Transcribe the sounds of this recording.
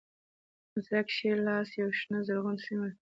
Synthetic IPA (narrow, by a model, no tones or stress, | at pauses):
mʊzɾakʃelɑsjawʃnəzaɾɣunsima